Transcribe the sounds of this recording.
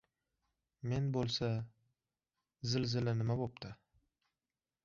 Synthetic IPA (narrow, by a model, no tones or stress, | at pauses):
me̞nbolˠsa | zɪlzɪlɪnɪmabop̚t̪ʰɪ